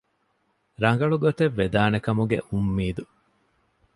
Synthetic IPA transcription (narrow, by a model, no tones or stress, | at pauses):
ɾɐŋɡɐɭuɡot̪eʋːed̪aːnekɐmuɡḛʔumːiːd̪u